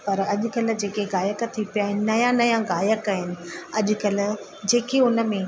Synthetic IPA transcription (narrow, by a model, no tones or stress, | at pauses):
pɐɾɐʄʊ̆kɐl̆d͡ʑeːkeɣaːjəkt̪ʰipijaːɦɪnɪ̆nɐjãnɐjãɣaːjəkaɦɪnɪ̆ɐʄʊkɐl̆ | d͡ʑeːkeʊnə̆mẽ